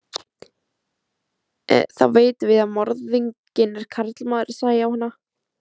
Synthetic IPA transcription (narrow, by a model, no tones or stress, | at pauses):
ɛ̰θa̰wveːjt̪ʏvɪðamɔɾðiɲcɪnɛɾ̥kʰaɾt̪lmaːðʏɾɪ̥saːɣjaːwhanːa